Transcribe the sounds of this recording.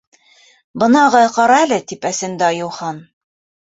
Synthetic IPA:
bɤ̆nɑʁɤqɑɾɑælɘt̪ipæsɘ̆nd̪ɘɑjɤ̆wχɑn

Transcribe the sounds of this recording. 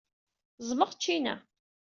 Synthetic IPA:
zˤməʁt͡ʃːinæ̰

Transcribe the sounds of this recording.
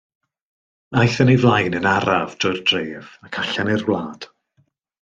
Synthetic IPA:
ajθənivlˠajnənaɾavdrʊɨrd̥reːvakʰaɬanɪrwlˠaːd̥

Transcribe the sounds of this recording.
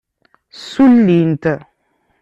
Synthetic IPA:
sulːintə

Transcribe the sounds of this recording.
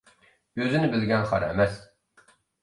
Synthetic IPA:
øzynɪbɪlɡʲɛnχɑ̰ɾɛ̰mɛs

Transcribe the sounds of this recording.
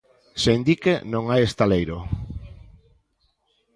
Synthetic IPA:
seind̪ikenõŋajest̪alejɾo

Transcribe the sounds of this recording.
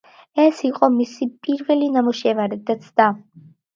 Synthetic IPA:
ɛsiqʼɔmisipʼiɾvɛlinamuʃɛvaɾɛd̪at̪sʰd̪a

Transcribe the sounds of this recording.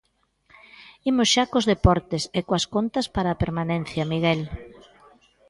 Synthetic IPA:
imʊsʃakozðepɔɾt̪esekoɐskont̪ɐspaɾɐːpeɾmanẽnθjɐmiɣɛl

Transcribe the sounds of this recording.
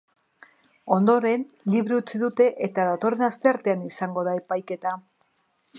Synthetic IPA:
o̞nd̪o̞ɾe̞n | liβɾeut͡siðut̪e̞ʔet̪aðat̪o̞re̞nast̪e̞aɾt̪e̞anisaŋɡo̞ð̞ae̞pajke̞t̪a

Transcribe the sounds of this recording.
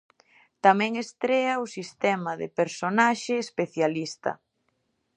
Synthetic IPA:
t̪amɛ̃ŋest̪ɾeɐʊsist̪ɛmɐðḛpeɾsonaʃeːspeθjalist̪ɐ̰

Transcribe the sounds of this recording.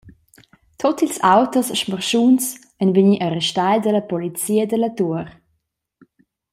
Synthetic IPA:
tʰɔtilsawtəsʃməʁʃuns | ɛnviɲiʔaɾɛʃtajld̪əlɐpɔlit͡siːəd̪əlatuəɾ

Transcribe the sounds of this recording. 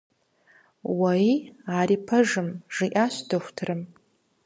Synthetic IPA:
wɐjaːɾiːpʰɐʐɨmʐɨʔaːɕdɨxʷtʰɨrɨm

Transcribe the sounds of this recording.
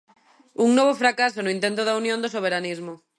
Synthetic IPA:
uŋnoβ̞ofɾakasonʊĩnt̪ent̪oðaunjõnd̪osoβ̞eɾanizmʊ

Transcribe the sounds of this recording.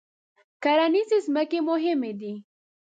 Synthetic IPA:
kaɾɑnizezməkemʊɦɪmed̪i

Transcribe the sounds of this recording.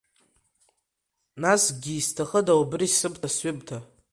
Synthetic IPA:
nasɡʲiːstʰaχədaubɨrisɨbtʰasɥʏb̚tʰa

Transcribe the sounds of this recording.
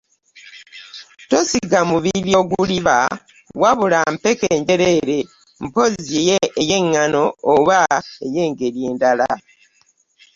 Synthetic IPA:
to̞siɡamuβiljo̞ɡuliβa̰ | waβulampekeːɲɟe̞ɾe̞ɾe̞ | m̩po̞zejeʔeje̞ŋːano̞ːβaeje̞ːŋɡe̞ɾjeːndala

